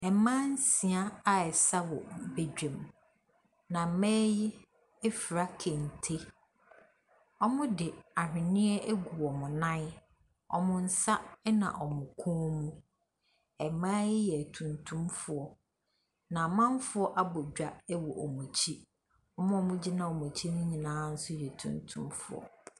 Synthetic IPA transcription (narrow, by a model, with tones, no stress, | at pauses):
ɛ˨mã˦n̩˦si˨a˦a˨ɛ˨sa˦wɔ̰˨be˨d͡ʑᶣẽ˨m | nã˨˦mɛː˦jɪ˦ | ɛ˦fi˨ɾa˦kʰẽ˨n̩˨tʰe˦ | ɔ˦mʊ̃˦dɪ˨a˨ɦᶣɪ̃˨nɪ̃˦ɛ˦ʔe˦ɡu˨ɔ˨mʊ̃˨nã˦ | ɔ̰˨mʊ̃˦n̩˨sa˦nã̰˨ʔɔ˨mʊ̃˨kʰũː˦mũ˦ | ɛ˨mãː˦jɪ˦jɛ˨tʰũ˨ntʰũ˦mfʊ˨ɔ˦ | nã˨mã˦n˦fʊ˦ɔ˦ʔa˦bɔ˨d͡ʑᶣa˦˨ɛ˦wɔ˨ʔɔ˨mũ˨t͡ɕʰi˦ | ɔ˦mʊ̃˦ɔ˨mʊ̃˦d͡ʑi˦nã˨o˨mũ˨t͡ɕʰi˦nʊ̃˦ɲĩ˨nãː˦n̩˦sʊ˦jɛ˨tʰṵ̃˨ntʰṵ̃˦mfʊ̰˦ɔ̰˨